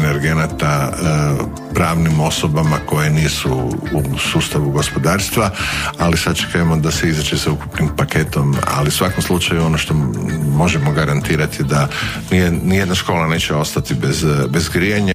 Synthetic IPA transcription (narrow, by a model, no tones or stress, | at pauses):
neɾɡe̞nat̪a | pɾaːʋnimo̞so̞bamako̞jeniːsuusuːst̪aʋuɡo̞spo̞d̪aːɾst̪ʋaalisat͡ʃe̥kajemo̞d̪aseizat͡ʃesauku̥pnimpakʰe̞t̪o̞ma̰liusʋako̞mslˠut͡ʃajuo̞no̞ʃt̪o̞mo̞ʒemo̞ɡaɾant̪iːɾat̪jed̪a | nienijed̪naʃko̞ːlane̞ːt͡ʃeo̞st̪at̪ibezbezɡɾijaɲa